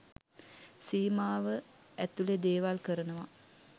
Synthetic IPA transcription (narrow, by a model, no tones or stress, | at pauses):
siːmaːʋə | æt̪uled̪eːʋalkəɾənəʋa